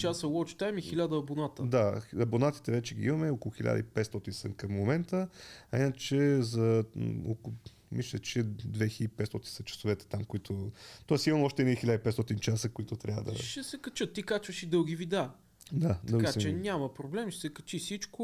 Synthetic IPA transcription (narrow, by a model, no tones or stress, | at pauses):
t͡ʃasəwɔt͡ʃt̪ajmixilʲad̪ɐɐbonat̪əd̪aɐbonat̪i̥t̪ɛvɛt͡ʃɛɡḭimɐmɛɔkolˠʊxilʲa̰d̪ə̰ipɛt̪st̪ɔt̪insənkɐmːomɛnt̪əɐinət͡ʃɛzɐo̰k | mislʲət͡ʃɛd̪vɛxipɛt̪st̪ɔt̪insɐt͡ʃɐ̥sovɛt̪ɛ̥t̪amkoit̪ʰot̪oasimɐmɔʃt̪ɛnixilad̪ipɛt̪st̪ɔt̪int͡ʃasəkʊit̪ʊt̪ɾʲavə̰d̪ə̰ʃɛsɛkɐt͡ʃɤt̪ːikat͡ʃvəʃid̪ɤlˠɡʲivid̪a | d̪ad̪ɤlˠɡiast͡ʃɛnʲamɐpɾoblɛmʃɛsɛkɐt͡ʃisit͡ʃkʊ